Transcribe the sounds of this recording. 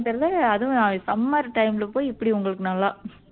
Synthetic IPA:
t̪ɐɾðɐɐðɯ̃sɐmːɐɾʈɐɪmlɯpoːjɪpːɐɽiʊŋɡɐɭɯkːɯnɐlːãː

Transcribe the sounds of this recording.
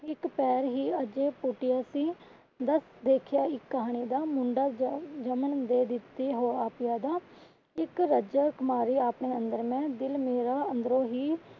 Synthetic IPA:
ɪkpɛːɾɦiːəd͡ʒeːpʊʈɪjaːsiː | d̪əsd̪eːkʰɪjaːɪkːəɦaːɳiːd̪aːmʊ̃ɳɖaːd͡ʒəmənd̪eːd̪ɪt̪ːeːɦoːaːpɪjaːd̪aː | ɪkɾəd͡ʒaːkmaːɾiːaːpɳeːənd̪əɾmɛ̃ːd̪ɪlmeːɾaːənd̪ɾõːɦiː

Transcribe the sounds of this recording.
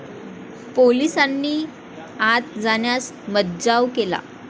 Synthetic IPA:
polisanːiː | at̪̚d͡zaɳjas | mət̪̚d͡zaʋkela̰

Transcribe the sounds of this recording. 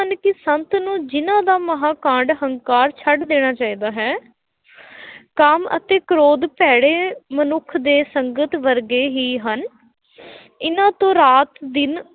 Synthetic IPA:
ənkɪsənt̪nũːd͡ʒɪnãːd̪aːməɦaːkãːɳɖɦəŋkaːɾt͡ʃʰəɖd̪eːɽ̃aːt͡ʃaːiːd̪aːɦɛː | kəmə̰t̪eːkəɾoːd̪pɛːɽeːmənʊkʰd̪eːsəŋɡət̪ʋəɾɡeːɦiːɦən | ɪnãːt̪õːɾaːt̪d̪ɪn

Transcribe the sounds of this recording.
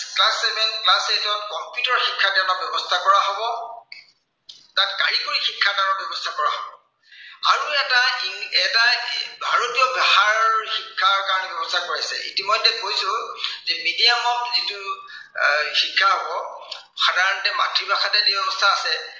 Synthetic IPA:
klasɛmɛnklasesɔtkɔmpjutɔɹxikʰːadanɔbɛbɔstʰakɔɹaɦobɔ | tatkaɹikoɹixikʰːadanɔt̚bɛbɔstʰakɔɹaɦobɔ | aɹuɛtaiɛtabʱaɹotijɔbɛhaɹɔɔɹxikʰːaɹkaɹɔnɛbɔbɔstʰakoɹisɛ̰ḭtimɔjdɛkojsʊ̃zɛmidijamɔkzitʊ | xikʰːaɦobɔ | xadaɹɔntɛmatɹibaxatɛdiɔbɔstʰaːsɛ

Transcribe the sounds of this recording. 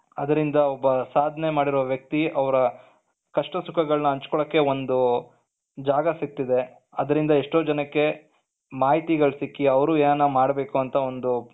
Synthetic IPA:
ɐd̪ɐɾind̪ɐɔbːɐsaːd̪ʱne̞maːɽiɾoːʋjɐk̚t̪iʔɐʋɐɾɐ | kɐʂʈɐsukʰɐɡɐɭɐnɐɐɲt͡ʃkɔɭɐkːe̞o̞nd̪u | d͡ʒaːɡɐsik̚t̪id̪e̞ | ɐd̪ɐɾind̪ɐeʂʈoːd͡ʒɐnɐkːe̞ | maːɦit̪iɡɐɭsikːiɐʋɐɾueːnɐnːɐmaːɽbe̞ːkuɐnt̪ɐo̞nd̪u

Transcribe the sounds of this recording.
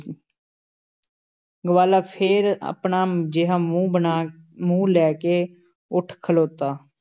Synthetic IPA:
ɡəʋaːlaːpʰeːɾa̰pɳaːd͡ʒɪɦaːmũːbənaː | mũːlɛːkeː | ʊʈʰkʰəloːt̪aː

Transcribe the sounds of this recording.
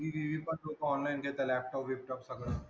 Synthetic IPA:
iʋiʋipɐɾd͡ʒokɔːnlaːɪnket̪elɛːp̚ʈɔːpʋɪp̚ʈɔːpsɐɡɾ

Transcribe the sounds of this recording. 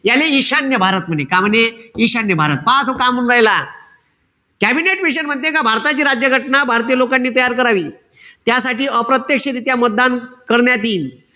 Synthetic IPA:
jaleiɕanjəbʱaɾət̪̚m̤ənekam̤əneiɕanːjəbʱaɾət̪̚pat̪okamuːnɾaɦjla | kæbineʈmiɕ̬ənm̤ət̪ːekabʱaɾt̪at͡ɕiːɾad͡ʑjəɡʱəʈnabʱaɾt̪iːjəlokanːiːt̪əjaɾkəɾaʋiː | t̪jasaʈiːəpɾət̪jekʂəɾit̪jamət̪̚d̪ankəɾɳjat̪iːn

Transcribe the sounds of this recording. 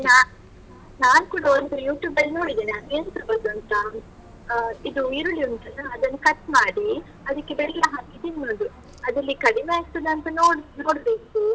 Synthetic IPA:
naː | naːnkuːɽɐond̪ujuːʈjuːbɐlːino̞ːɽid̪eːnɐmint̪ɐbɐɾd̪uɐnt̪ɐ | id̪uiɾuɭiunt̪ɐnɐɐd̪ɐnːɐkɐt̪maːɽi | ɐd̪ɐkːebɛɭlɐɦaːɡid̪innond̪u | ɐd̪ɐlːikɐɽimeaːist̪ɐd̪ɐnt̪ɐnoːɽno̞ːɽbeːku

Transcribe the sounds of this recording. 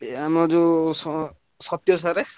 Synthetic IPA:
amɔd͡ʒus | sɔt̪jɔsaɾe

